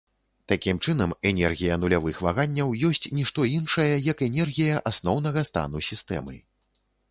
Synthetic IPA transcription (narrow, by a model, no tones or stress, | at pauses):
t̪akʲimt͡ʂɨnɐmɛnʲɛrɣʲijɐnulʲavɨxvaɣanʲːɐwjɔsʲt͡sʲnʲiʂt̪ɔinʂɐjɐjɐkɛnʲɛrɣʲijɐʔasnɔwn̪ɐɣɐst̪a̰n̪usʲist̪ɛ̰mɨ̰